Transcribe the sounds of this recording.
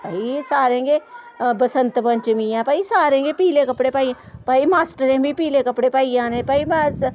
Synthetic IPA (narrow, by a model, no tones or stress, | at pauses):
paːisaːɾẽːɡe | bəsə̃nt̪pə̃nt͡ʃmĩãːpaːisaːɾẽːŋɡepiːlekəpɽepaːiã | paːimaːsʈəɾẽːbʱipiːlekəpɽepaːijãːnẽpaːim